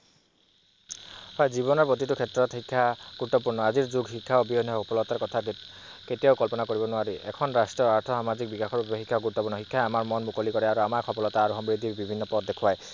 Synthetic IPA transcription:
hɔjziβɔnɔɹpot̪̬itukʰɛtɹɔt̪hikʰːaɡ̥uɹut̪ːɔpuɹnɔaziɹzuɡɦikʰːaobiɔnːɔɔpɔlɔt̪aɹkɔt̪ʰa | ketijaʊkɔlpɔnakoɹibɔnʊaɹiʔɛkʰɔnɹastɹɔaɹt̪ʰɔsamazik̚bikaxʰɔɹubbexikʰːaɡuɹut̪ːɔpuɹnɔɦikʰːaeamaɹmɔnmukolikɔɹɛaɹuamakʰɔpɔlɔt̪aːɹuxɔmbɹid̪ʱiɹbibʱinːɔpɔt̪̚d̪ekʰwaj

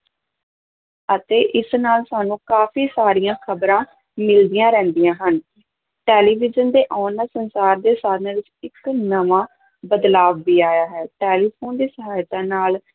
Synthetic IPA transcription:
ət̪eːʔɪsnaːlsaːnũːkaːfʰiːsaːɾijãːkʰəbɾãː | mɪld̪ijãːɾɛ̃ːnd̪ijãːɦən | ʈeːliːʋɪd͡ʒənd̪eːʔɔːnaːsənsaːɾd̪eːsaːɾnaːʋɪt͡ʃɪknəʋãː | bəd̪laːʋːiːaːjaːɦɛːʈeːliːpʰoːnd̪iːsəɦaːjt̪ãːnaːl

